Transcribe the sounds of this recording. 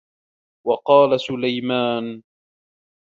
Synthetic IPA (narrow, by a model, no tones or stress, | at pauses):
wɑqɑːlasʊlajmaːn